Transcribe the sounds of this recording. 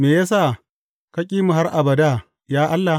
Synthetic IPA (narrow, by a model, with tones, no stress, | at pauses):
meː˨ja˦s̬aː˦˨ | kɐ˦kʲʼiː˦mu˨ɦa˦rʔa˨bɐ˨da˦˨ | jaː˦ʔa˦lːa˨